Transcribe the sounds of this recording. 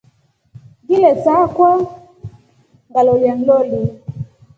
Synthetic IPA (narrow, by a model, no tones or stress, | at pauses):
ɡilɛsakɔ | ŋɡaloljaŋ̩loli